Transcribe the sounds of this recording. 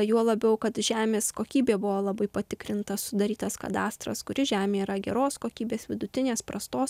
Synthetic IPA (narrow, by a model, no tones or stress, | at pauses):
juɔlˠɐbʲɛʊkɐt̪ʒʲæːmʲeːskoːkʲiːbʲeːbʊʋoːlˠɐbɐɪpɐt̪ʲɪkɾʲɪnt̪ɐsʊd̪ɐɾʲiːt̪ɐskɐ̰d̪ɑːst̪ɾɐ̰skʊɾʲɪʒʲæːmʲeːiɾɐɡʲɛ̰ɾoːskoːkʲiːbʲeːsʋʲɪd̪ʊt̪ʲɪnʲeːspɾɐst̪oːs